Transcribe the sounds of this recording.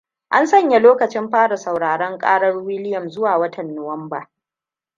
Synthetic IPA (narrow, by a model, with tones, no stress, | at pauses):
ʔa˦nsɐ˦ɲja˨loː˦kɐ˨t͡ʃɪ˦mɸaː˦ɽa˨sa˨wɽaː˨ɽɐ˦ŋkʼaː˦ɽɐ˦rwɪ˦lɪ˦jɐ˨mzʊ˦waː˨wɐ˦tʰɐ˨nːo˨wɐ˦mbaː˨